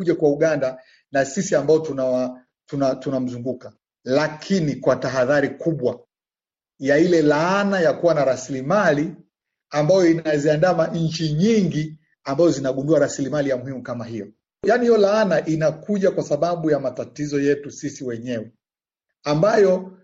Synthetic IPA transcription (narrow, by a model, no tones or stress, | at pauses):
uʄakwauɠanda | nasisiambaɔtunawa | tunatunam̩zuŋɡuka | lakʰinikwataɦaðaɾikuɓwa | jailɛlaanajakuwanaɾasilimali | ambajɔinaziandamaɲ̩t͡ʃiɲiŋɡi | ambazɔzinaɠunduaɾasilimalijamuhimukamaɦijɔ | janihijɔlaanaʔinakuʄakwasaɓaɓujamatatizɔjɛtusisiwɛɲɛwɛ | ambajɔ